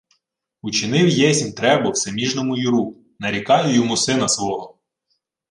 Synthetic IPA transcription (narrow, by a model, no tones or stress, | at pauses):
ut͡ʃɪnɪwjɛsʲmʲt̪ɾɛbʊwsemʲiʒnɔmʊjʊɾu | nɐɾʲikɑjʊjʊmʊsɪnɐsʋɔɦɔ